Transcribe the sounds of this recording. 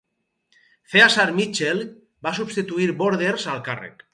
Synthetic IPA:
θeasaɾmit͡ʃel | basuβst̪it̪uiɾboɾðeɾsalkarḛk

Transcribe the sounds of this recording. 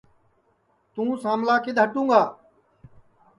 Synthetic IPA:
t̪ũːsaːmlaːked̪ʱəʈũːŋɡaː

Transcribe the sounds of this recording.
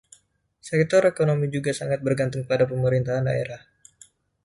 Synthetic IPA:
sɛk̚t̪ɔɾekonomid͡ʒuɡasaŋat̪̚bərɡant̪ʊuŋkəpadapəməɾint̪aɦanda̰eɾah

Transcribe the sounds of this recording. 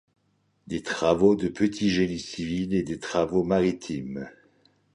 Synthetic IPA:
d̪et̪χavod̪əpət̪ʰiʒenisiviled̪et̪χavomaʁit̪ʰim

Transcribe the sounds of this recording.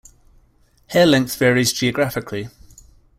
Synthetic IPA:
hɪəlɛ̃ŋkθv̥ɛəɹizd͡ʒiəɡɹafɪkʰli

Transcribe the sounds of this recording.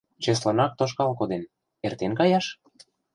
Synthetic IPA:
t͡ɕes̬lɤnɑk̚t̪oʃ̬kɑlkod̪en | ert̪enkɑjɑʃ

